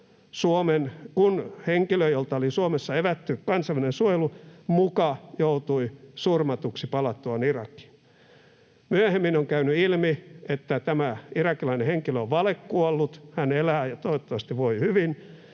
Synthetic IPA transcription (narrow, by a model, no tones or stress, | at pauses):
suomenkunheŋkiløjjolt̪ɑolisuomesːɑeʋæt̪ːykkɑnsɑelːinensuojelumukɑjout̪uisurmɑt̪uksipɑlɑt̪ːuɑnirɑkːˑi̥ | myæhemːinoŋkæynyilmiet̪ːæt̪æmæirɑkːilɑineheŋkiløoʋʋɑlekːuolːut̪hænelæːjɑt̪oeot̪ːɑʋɑst̪iʋʋoihyʋin